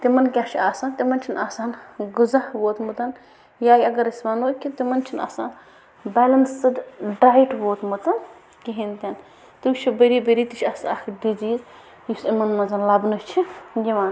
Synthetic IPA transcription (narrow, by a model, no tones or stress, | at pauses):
t̪imɐnkʲaːʃʰiaːsaːnt̪imɐnt͡ʃʰinaːsaːnɡuzɐhʋoːt̪mut̪ɐn | jaːjʲɐɡɐɾɐsʲmɐnoːkʲit̪imɐnt͡ʃʰina̰ːsaːn | bɛːlɐnsɨd̪ɖaːjiʈʋoːt̪mut̪ɐn | kiɦint̪ʲɐn | t̪ɨwt͡ʃʰibɐɾiːbɐɾiːt̪it͡ʃʰʲɐsakʰɖiziːz | jisimɐnmɐnzɐnlɐbnɨt͡ʃʰijiʋaːn